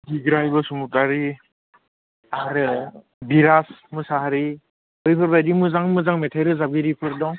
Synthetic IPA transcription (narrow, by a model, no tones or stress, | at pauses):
biɡɾajbɔsumup̚taɾi | aɾ | biɾasmusaɦaɾi | ɯjpʰɯɾbajdimuzaŋmuzaŋmɛtʰajɾɯzab̚ɡiɾipʰɯɾdɔ